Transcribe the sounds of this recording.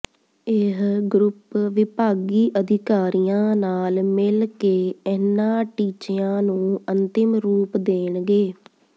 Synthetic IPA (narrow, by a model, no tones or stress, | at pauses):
ɪɦɡɾʊpʋɪpaːɡiːʔəd̪ʱɪkaːɾijãːnaːlmɪlkeːɛnãːʈiːt͡ʃɪãːnũːənt̪ɪmɾuːpd̪eːnɡeː